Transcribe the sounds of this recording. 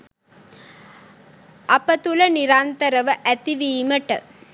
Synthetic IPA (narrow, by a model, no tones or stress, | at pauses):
ʔɐpɐt̪ulɐniɾaːnt̪ɐɾɐʋəʔæt̪iʋiːməʈə̰